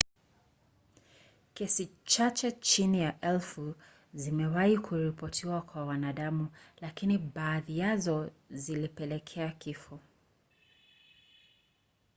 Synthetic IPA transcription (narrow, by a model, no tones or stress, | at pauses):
kɛsit͡ʃat͡ʃɛt͡ʃinijaʔɛlfu | zimɛwaikʰuɾipɔtʰiwakwawanaɗamulakiniɓaːðijazɔzilipɛlɛkʰɛakifɔ